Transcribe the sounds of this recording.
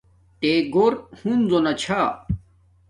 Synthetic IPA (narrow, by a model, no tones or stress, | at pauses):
t̪eɡoɾhunzonɐt͡ɕʰa